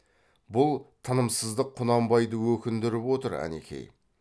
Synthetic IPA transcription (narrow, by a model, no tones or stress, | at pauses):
bʊlˠt̪ʰənəmsəzd̪əqʰːʊnɑmbɑjd̪əwɵkʲɪnd̪ɪɾɪpwo̞t̪əɾæ̰nḛkʲʰe̞̰j